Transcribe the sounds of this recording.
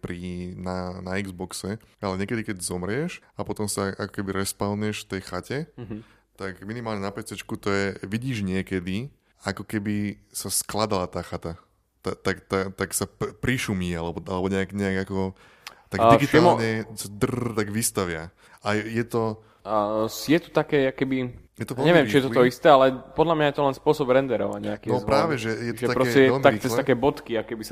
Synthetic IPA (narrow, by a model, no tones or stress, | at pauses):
pɾinanaiɡzbɔksɛalɛɲɪɛkɛd̪ikɛɟzɔmɾɪɛʃapɔt̪ɔmsaʔakɔ̥kɛbiɾɛspalnɛʃft̪ɛjxacɛ | t̪akminimaːlɲɛnapɛt͡sɛt͡ʃkut̪ɔjɛʋiɟiːʒɲɪɛkɛd̪i | akɔkɛbisasklad̪alat̪aːxat̪a | t̪at̪akt̪at̪aksapɾiʃumiːalɛbɔalɛbɔɲɛaɡɲɛaɡakɔ | t̪aɡ̪iɡit̪ːmɲɛsd̪rt̪aɡʋist̪aʋɪa | ajɛt̪ɔ | sjɛt̪u̥t̪akɛːakɛbijɛt̪ɔʋɛlɲɛʋɪɛmt͡ʃijɛt̪ɔt̪ɔist̪ɛalɛpɔd̪lamɲajɛt̪ɔlɛnspʊɔsɔbɾɛnd̪ɛɾɔʋa̰ɲɛakiɔpɾaːʋɛʒɛjɛt̪ɔ̥ɛt̪apɾɔsɛjɛɛt̪akt͡sɛst̪akɛːbɔt̪kiakɛbis